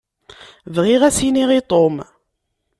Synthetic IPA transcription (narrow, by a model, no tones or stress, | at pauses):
vʁiʁæsiniʁit̪ˤom